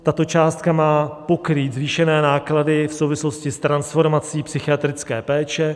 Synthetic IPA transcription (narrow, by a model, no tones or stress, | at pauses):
t̪at̪o̞t͡ʃaːst̪̚kamaːpo̞kɾiːt̪zviːʃɛnɛːnaːkladɪfsowvɪslo̞scɪst̪ɾansfo̞ɾmat͡siːpsɪxɪat̪ɾɪt͡skɛːpɛːt͡ʃɛ